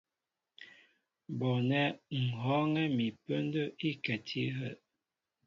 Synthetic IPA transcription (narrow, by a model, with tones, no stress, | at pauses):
bɔ˨nɛ˦ŋ̩˨ɦɔ˦ŋɛ˦mi˨pə˦n˦də˦ʔi˦kɛ˨tʰi˦ɦə˦˨